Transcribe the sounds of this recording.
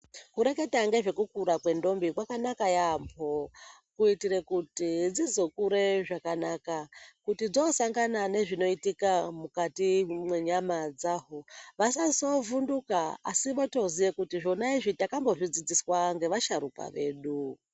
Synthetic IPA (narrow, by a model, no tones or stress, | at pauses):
kuɾe̞ke̞taŋɡe̞ʐe̞kukuɾakwe̞ndo̞mbikwakanakajampʰokuitiɾekutid͡zizo̞kuɾe̞ʐakanakakutid͡zosaŋɡanane̞ʐino̞itikamukatimweɲamad͡zaːɦoʋasasovundukaa̰siʋoto̞zijekutiʐo̞naiʐitakambo̞ʐid͡zid͡ziswaŋɡe̞ʋaʃaɾuka̰ʋe̞̰ːɗu